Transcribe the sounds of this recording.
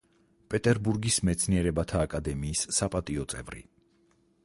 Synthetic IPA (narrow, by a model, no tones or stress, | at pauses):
pʼɛt̪ʼɛɾbuɾɡismɛt̪sʰniɛɾɛbat̪ʰaːkʼad̪ɛmiːsːapʼat̪ʼiɔt̪sʼɛ̰vɾḭ